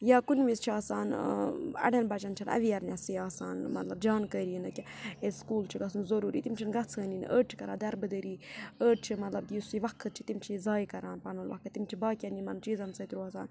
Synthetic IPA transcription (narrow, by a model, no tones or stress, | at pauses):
jaːkunʲmist͡ʃʰiaːsaːn | ɐ̰ɽʲɐnbɐt͡ʃɐnt͡ʃʰɐnɐ̰ʋiɐɾnʲɐsiaːsa̰ːnmɐt̪lɐbd͡ʒaːnkəːɾiinɨkʲieskuːlt͡ʃʰiɡɐsunzɐɾuːɾiːt̪imt͡ʃʰinɡɐt͡sʰəːnin̰ʔəːɖ̚t͡ʃʰi̥kɐɾaːd̪ɐɾbɨd̪əɾiːəːʈ̚t͡ʃʰimɐt̪lɐb̚d̪isiʋɐkʰːɐt̪̚t͡ʃʰit̪imt͡ʃʰizaːjkɐɾaːnpɐnɐlʋɐ̰kʰːɨt̪ːimt͡ʃʰibaːkʲɐnimɐnt͡ʃiːzɐnsɐt̪ɾuaːsa̰ːn